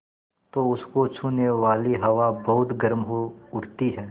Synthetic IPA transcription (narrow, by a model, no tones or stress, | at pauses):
t̪oʊskot͡ʃʰuneʋaːliɦɐʋabɐɦʊt̪ɡɐɾmɦoʊɾt̪iɦɛː